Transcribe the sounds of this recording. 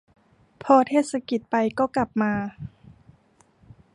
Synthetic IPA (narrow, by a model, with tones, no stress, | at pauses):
pʰɔː˧t̪ʰeː˥˩t̪̚sa˧ki˨˩t̪̚pa˧jkɔː˥˩kla˨˩p̚maː˧